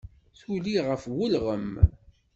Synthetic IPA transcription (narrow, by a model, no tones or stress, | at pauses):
θuliʁəfwəlʁəm